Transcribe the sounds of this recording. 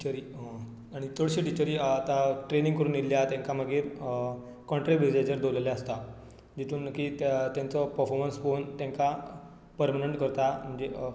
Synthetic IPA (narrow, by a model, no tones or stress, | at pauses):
it͡ɕəɾi | aɽ̃it̪ʰoɽɕiːʈit͡ɕəɾiːt̪aʈɾenĩŋɡkəɾuːnilːjat̪jãŋkaməɡiːɾ | kɔ̃ɳʈɾeʋid͡ʑad͡ʑəɾd̪oləljaəst̪a | d͡ʑit̪ʰuːnəkiːt̪t̪jãnt͡sɔpəɾfɔɾmənsfont̪jãŋka | pəɾmaneɳʈkəɾt̪am̤əɳd͡ze